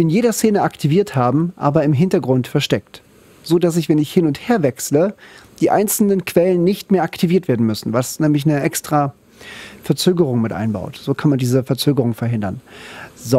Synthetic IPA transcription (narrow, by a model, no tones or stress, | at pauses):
ʔɪnjeːdɐseːnəʔaktʰiviːɐthaːbm̩ʔa̰ːbɐɪmɦɪntɐɡʁʊntfɛɐʃtɛkt | z̥oːdas̬ɪçv̥ɛnɪçhɪnʊntheːɐvɛksləd̥iːʔa̰ɪnt͡sl̩nənkʰv̥ɛlənːɪçtmeːɐʔaktʰiviːɐtv̥eːɐdn̩mʏsn̩vasnɛːmlɪçnəʔɛkstʁ̥aː | fɛɐt͡søːɡəʁ̞ʊŋmɪtʔa̰ɪnba̰ʊtz̥oːkʰanmandiːzəfɛɐt͡søːɡəʁʊŋfɛɐɦɪndɐ̰nz